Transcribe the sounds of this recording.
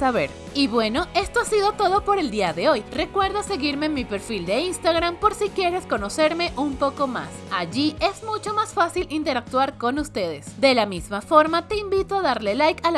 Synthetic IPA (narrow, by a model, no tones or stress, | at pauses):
saβḛɾ | iβwe̞no̞e̞st̪o̞asiðo̞t̪o̞ðo̞po̞ɾe̞ld̪iaðe̞o̞jre̞kwe̞ɾðase̞ɣiɾme̞nmːipe̞ɾfild̪e̞inst̪aɣɾampo̞ɾsikje̞ɾe̞sko̞no̞se̞ɾme̞ʔumpo̞ko̞ma̰saʝie̞zmut͡ʃo̞masfasilʔint̪e̞ɾak̚t̪waɾko̞nust̪e̞ðe̞sd̪e̞lamizmafo̞ɾmat̪e̞imbit̪oaðaɾle̞lajkal